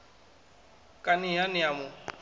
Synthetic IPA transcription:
kʼanɪɦanɪamʊ

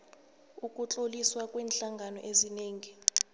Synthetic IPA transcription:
ukʼut͡ɬʼoliswakʼwɛːnɬaŋɡʱanɔ̰ʔezineːŋi

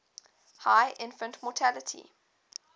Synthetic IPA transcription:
haɪʔɪ̃nfə̃ntmɔtʰælətʰḭ

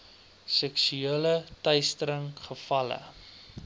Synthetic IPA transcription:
sɛksyeələtœjstəɾəŋχəfɐlə̰

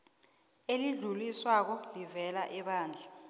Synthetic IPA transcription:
eliɮuliswak̬ɔlivɛlaʔɛɓaːnd͡ɮʱa

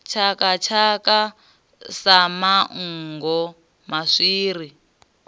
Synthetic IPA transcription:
t͡ʃʰakat͡ʃʰaka | samaŋŋɡɔ | maʂiːɾi

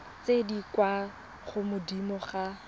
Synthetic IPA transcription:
t͡sedikwa | χʊmʊdimɔχa

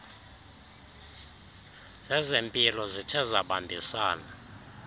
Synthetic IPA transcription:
z̥ɛzempʼilɔzit͡ʃʰɛzaɓambʱisaːna

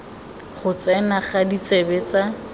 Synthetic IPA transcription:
χʊt͡sɛnaχadit͡sɛbɛt͡sa

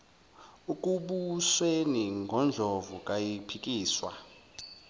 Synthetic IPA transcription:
uk̬ʼuɓusweniŋɡʱɔnd͡ɮʱɔvukʼajipʰik̬ʼiːswa̰

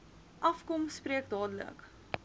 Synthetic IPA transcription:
ʔɐfkɔmspriək̚dɑːdələ̰k

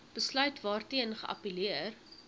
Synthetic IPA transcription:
b̥əslœɥtvɑːrtiənχə̰ʔɐ̰piliər

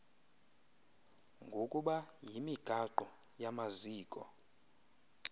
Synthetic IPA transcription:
ŋɡʱokʼuɓajimiɡ̥ʱaǃu | jamaziːkʼɔ̰

